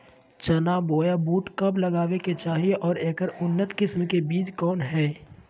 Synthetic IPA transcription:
t͡ʃɐnaːboːjabuːʈkɐblɐɡaːʋeket͡ʃaːɦieʔɔːɾẽːkəɾʊnːət̪kɪsmkebiːt͡ʃkɔːnɦɛː

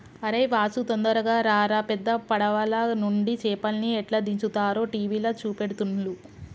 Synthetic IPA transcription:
ɐɾejʋaːsut̪ond̪ɐɾɐɡaːɾaːɾɐpɛd̪ːɐpɐɽɐʋɐlɐnuɳɖit͡ʃɛːpɐlniɛʈlɐd̪iɲt͡ʃut̪aːɾoːʈiːʋiːlɐt͡ʃuːpeɽut̪unlu

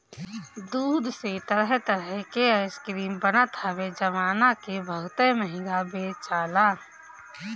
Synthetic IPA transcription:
d̪uːd̪ʱset̪əɾəɦt̪əɾəɦkeəskɾiːmbənat̪ʰaːbed͡ʒəmaːnakebʱəɡt̪əməɦɪ̃ɡabeːt͡ʃaːlaː

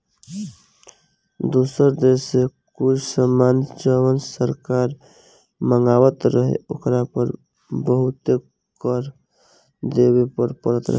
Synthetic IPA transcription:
d̪usəɾd̪esekʊt͡ʃʰsəmand͡ʒəwənsəɾkaɾ | məŋɡaːwət̪ɾəɦḛokɾapəɾ | bəɦut̪e | kəɾ | d̪ebepəɾpəɾət̪ɾəɦ

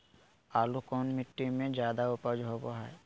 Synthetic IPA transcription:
alukɔnmiʈːimẽd͡ʒaːd̪aupad͡ʒɦoboɦɛe

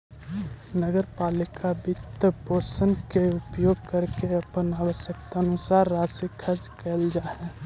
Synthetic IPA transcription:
nəɡəɾpaːlɪkʰabɪt̪ːəboːsənkeʊpjoːɡkəɾkeɐpənaːwəsjək̚t̪aːnʊsaːɾːaːsikʰəɾd͡ʒkeːld͡ʒaːɦɛː

